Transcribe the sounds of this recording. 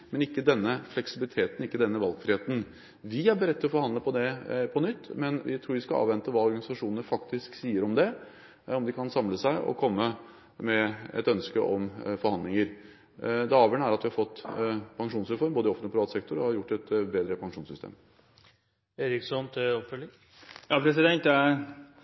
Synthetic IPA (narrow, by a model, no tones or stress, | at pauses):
mɛnɪkːəd̪ɛnːəflɛksɪbɪlɪt̪ʰeːt̪ən̩ɪkːəd̪ɛnːəʋɑlˠɡfɾɪheːt̪n̩ | ʋɪæɾbəɾɛt̪ːɪlɔfɔɾhɑnd̪ləpʰɔd̪ɛpʰɔnʏt̪ːmɛnʋɪ̰t̪ʰɾuːɾʋɪskɑɑ̰ːʋɛnt̪əʋɑːɔɾɡɑnɪsɑʂuːnəəfɑkt̪ɪsksiːəɾɔmd̪ɛ | ɔmd̪ɪkʰɑnsɑmləsæɪʔɔ̰kʰɔmːə | mɛɛ̰t̪œnskəʔɔmfɔɾhɑnd̪lɪŋəɾ | d̪ɛɑːʋjəɳəæɾɑt̪ʋɪhɑɾfɔt̪ːpʰɑŋʂuːnsɾɛfɔɾmboːd̪əɪɔfəɔpʰɾɪʋɑːt̪sɛk̚t̪ʊɾɔhɑɾjʊʈːɛt̪beːd̪ɾəpʰɑŋʂuːsʏst̪ḛːm | eːɾɪksɔnt̪ʰɪɔpfœlɪ | jɑːpʰɾɛsɪd̪ɛnt̪æ